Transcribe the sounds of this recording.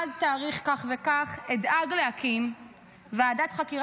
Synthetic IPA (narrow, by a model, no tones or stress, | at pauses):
d̚taːʁiχkaχvekaχedaɡleakim | veadatχakiʁ